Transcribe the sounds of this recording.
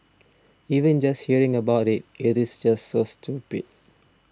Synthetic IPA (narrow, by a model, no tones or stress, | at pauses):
iːʋə̃nd͡ʒʌst̚hiəɹɪ̃ŋəbaʊɾɪtɪɾɪzd͡ʒʌstsoːstʰuːpḭd̥̚